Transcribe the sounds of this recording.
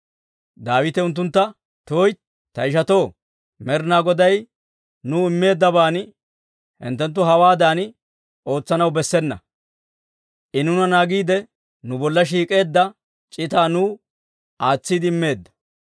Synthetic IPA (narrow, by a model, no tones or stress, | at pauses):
d̪aːwɪt̪ɛʊnt̪̬ːʊnt̪ːɐ | t̪oːj | t̪ɐɪʃ̬ɐt̪o̞ː | mɛɾnaːɡɔd̪ɐj | nuːɪmːe̞ːd̪ːɐbaːn | hɪ̰nt̪ːɛnt̪̬ːʊɦɐwaːd̪aːn | o̞ːt͡sːɐnɐwbɛsːɛnːɐ | ʔɪnʊnɐnaːɡiːd̪ɛ | nʊbɔlːɐʃ̬iːkʼe̞ːd̪ːɐ | t͡ʃʼɪt̪aːnuː | ʔaːt͡sːid̪ɪɪmːe̞ːd̪ːɐ̥